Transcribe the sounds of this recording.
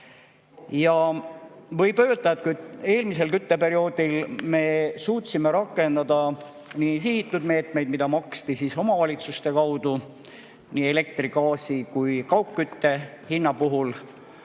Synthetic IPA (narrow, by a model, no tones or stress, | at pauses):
jɑ | vɤ̞jpø̞ːld̪ɑet̪̚kud̪e̞ːlmise̞lkyt̪ːe̞pe̞ɾio̞ːd̪̥ilme̞suːt̪ʲːsime̞ɾɑkːˑe̞nd̪ɑd̪ɑ | nisihit̪ːˑud̪me̞ːt̪mejd̪̥̚mid̪ɑmɑkst̪isiso̞mɑvɑlʲit̪sust̪e̞kɑwd̪u | niːe̞le̞k̚t̪riɡɑːsikujkɑwkkːyt̪ːe̞hinːɑpuɦul